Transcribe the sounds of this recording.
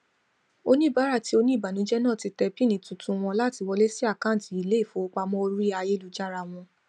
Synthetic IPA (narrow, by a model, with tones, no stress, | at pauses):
o˧nĩ˦˨ba˨˦ɾa˦˨ti˦o˧nĩ˦˨ba˨nũ˨˦d͡ʒɛ˦nãː˦˨ti˧tɛ˧bi˦˨nĩ˨˦tũ˧tũ˧w̃ɔ̃˧la˦˨ti˧wɔ˧le˦si˦a˦˨kã˦˨ti˨i˨le˨˦i˦˨fo˨˦o˧k͡pa˧mɔ̃˦o˧ɾi˦a˧je˦lu˨˧d͡ʒa˦ɾa˧w̃ɔ̃˧